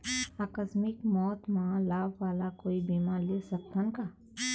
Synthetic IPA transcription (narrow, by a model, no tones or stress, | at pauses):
aːkəsmɪkmɔːt̪maãlaːbʋaːlakoːibiːmaːlisɐk̚t̪ənkaː